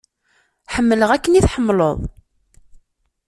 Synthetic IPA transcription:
ħəmːələʁækːəniθħəmːloðˤ

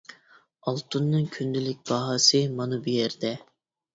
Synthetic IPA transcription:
ɑlˠt̪unːɨŋkʲʰynd̪ɪlɪk̚ʲb̥ɑɦɑsɨmɑnɨbijɛɾd̪ɛ

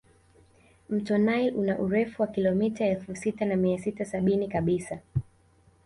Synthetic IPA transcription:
m̩tɔnajlʔunaʔuɾɛfuwakilɔmitaɛlfusitanamiasitasaɓinikaɓisa

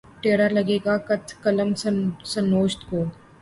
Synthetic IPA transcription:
ʈeːɽəɾlɐɡeːɡakɐt̪ʰkɐləmssɐ̃noːʃt̪koː

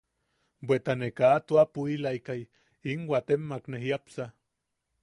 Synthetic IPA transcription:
bwet̪anekaːt̪uapuilaikaj | iŋwat̪emːakneɦiapsa

